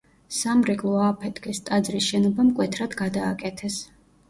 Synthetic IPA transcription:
samɾikʼlˠɔapʰɛt̪ʰʼkʰʼist̪ʼad̪zɾisʃɛnɔbamkʼwɛt̪ʰɾad̪ɡad̪aːkʼɛt̪ʰɛs

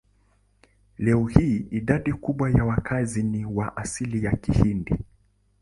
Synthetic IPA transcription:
lɛɔhiːiɗaɗikuɓwajawakʰaziniwaʔasilijakihindi

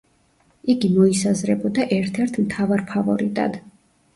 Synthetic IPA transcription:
iɡimɔisazɾɛbɔd̪aʔɛɾt̪ʰɛɾt̪ʰmt̪ʰavaɾpʰavɔɾit̪ʼa̰d̪̥

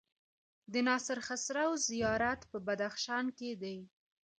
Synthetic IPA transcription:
d̪ənɑsɪɾxasɾawzijɑɾat̪pəbad̪axʃɑnked̪aj

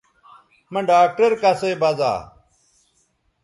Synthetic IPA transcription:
mɐ̃ɖaːk̚ʈəɾkaseːbɐza̰ː

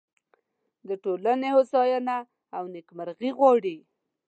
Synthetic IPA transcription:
d̪əʈolanehosɑjanaː | wnɪkmaɾɣiɣwɑɽi

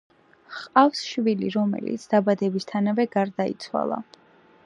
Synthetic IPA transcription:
χqʼafsʃviliɾɔmɛ̰lḭt̪sʰd̪̥abad̪ɛbist̪ʰanavɛɡaɾd̪ait̪sʰwa̰lˠa̰

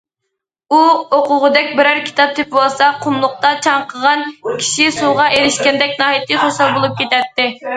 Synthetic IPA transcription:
uoqʊʁʊd̪ɛk̚ʲbɪɾæɾkʲʰi̥t̪ɑp̚t̪ʰɪpwolˠsɑqʰʊmlˠʊq̚t̪ɑt͡ʃʰɑɴqʰəʁɑnkʲʰi̥ʃisuʁɑʔeɾɪʃkʲɛnd̪ɛk̚ʲnɑːɦit̪ʰɨχoʃɑlˠbolˠup̚kʲʰet̪ɛt̪ːɪ

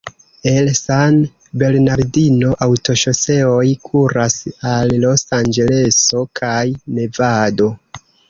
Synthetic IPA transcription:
e̞lsan | be̞lnaɾdino̞ʔawto̞ʃo̞se̞o̞jkʰuɾasalːo̞sand͡ʒe̞le̞so̞kʰajne̞vado̞

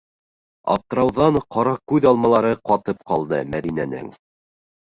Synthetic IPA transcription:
ɑ̰p̚t̪ɤ̆ɾɑwðɑɴqɑɾɑkʉðɑlˠmɑlˠɑɾɤqɑt̪ɤp̚qɑlˠd̪ɤmæðinænɘ̰ŋ

